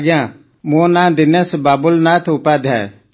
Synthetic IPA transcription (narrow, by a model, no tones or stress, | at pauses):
ɡjã | mõnãːd̪ɪnɛsbaːbʊlnãt̪ʰʊpaːd̪ʱɦɛ̰ː